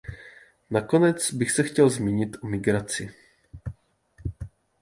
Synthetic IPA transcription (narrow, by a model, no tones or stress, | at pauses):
nako̞nɛt͡sbɪxsɛxcɛlzmiɲɪt̪ʔomɪɡɾat͡sɪ